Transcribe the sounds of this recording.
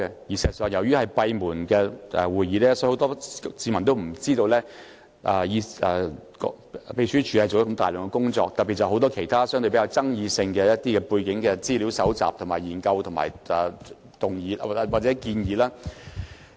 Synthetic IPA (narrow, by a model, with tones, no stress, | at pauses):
ɛ˧jiː˨˩si˨˩sœː˨ŋjɐ˨˩wjyː˥hɐ˨jpɐ˧jmuː˨˩nkɛː˧ʔɛ̰˨˧wuː˨˩jjiː˨˧lɛː˥sɔ˧˥ho˨˥wt̪ɔː˥siː˨˧mɐ˨˩nt̪̬o˥wm̩˨˩t͡siː˥t̪o˧wlɛː˥ | ʔɛ˧ji˧ɛ˨˧kɔ̰˧ | pe˧t͡ʃʰyː˥t͡ʃʰyː˨˧hɐ˨jt͡so˨wjkɐ˧˥mt̪aː˨jlœː˨˩ŋkɛ˧kʊ˥ŋt͡sɔ̰ː˧k̚t̪ɐ˨t̚pi˨t̚t͡sɐ˨˩ho˨˧wt̪ɔː˥kʰe˨˩jt̪ʰaː˥sœ˥ŋt̪ɵ˧pe˨˥ja˧wt͡sɐ˥ŋjiː˧sɪ˧ŋkɛ˧jɐ˥t̚t̪iː˥kɛ˧puː˧jkɪ˨˥ŋkɛː˧t͡siː˥li˨˥wsɐ˨˥wt͡sa̰ː˨p̚t̪ʰmaː˨˩jiː˨˩nkɐ˧wt̪ʰʊ˨˩ma̰ː˨˩j | t̪ʊ˨˩ŋjiː˨˧˨waː˨˩t͡sɛː˨˥kiː˧njiː˨˧laː˥